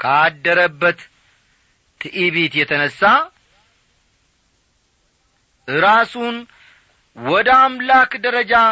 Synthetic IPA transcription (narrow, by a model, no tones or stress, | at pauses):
kʰad̪ːəɾəbːət̪ | ɨʔiβet̪jɛt̪ʰənəsːa | ʔɨɾasun | wɔd̪əamlakd̪əɾəd͡ʒa